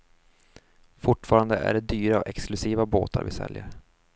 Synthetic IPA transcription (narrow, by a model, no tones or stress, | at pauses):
fʊʈːfɑːɾand̪əʔæ̰ɖɛd̪yːɾaʔɛksklɵsiːvaboːt̪ʰa̰ɾvɪsɛ̰ljəɾ